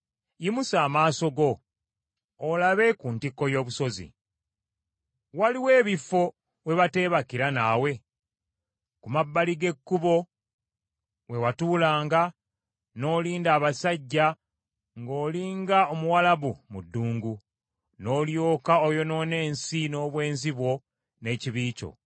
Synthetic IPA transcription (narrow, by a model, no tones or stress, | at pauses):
jimusaːmaːso̞ɡo̞ | laβe̞kuntikːo̞jo̞ːβuso̞zḭ | waliwe̞ːβifo̞ | we̞βate̞ːβakiɾanaːwe̞ | kumabːaliɡe̞kːuβo̞ | we̞watuːlaːŋɡa | no̞ːliːndaːβasaɟːa | ŋɡo̞ːliːŋɡaomuwalaβumudːuːŋɡu | no̞ːljo̞ːkaojo̞no̞ne̞ːnsino̞ːβwe̞ːnziβwo̞ | ne̞ːciβiːco̞̰